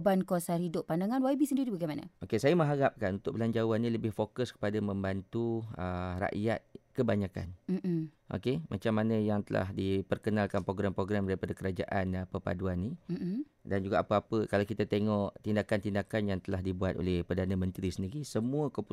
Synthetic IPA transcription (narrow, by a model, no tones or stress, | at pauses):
bankosaɾhidʊʔpːandaŋanwaibisəndiɾibaɡajmanə̰ʔokesajamə̃ɦaɾap̚kanunt̪ʊʔ̚bəlaɲd͡ʒawanĩləbɪhfokʊskə̥padamə̃mbant̪uəra̰ʔjat̪̚kəbaɲaka̰nm̩ | ʔo̰kemʔa̰t͡ʃamːanə̃jaŋt̪əla̰hdipərkənalkanpɾoɡɾampɾoɡɾamdaɾipadakəɾad͡ʒa̰ʔanpəpa̰duanːim̩ | dand͡ʒuɡaʔapəapəkalawkit̪at̪eŋɔʔt̪indakant̪indakanjaŋt̪əlaɦdibuat̪̚o̰lɛhpərdanãmə̃nt̪ɾisəndiɾisəmũəkopu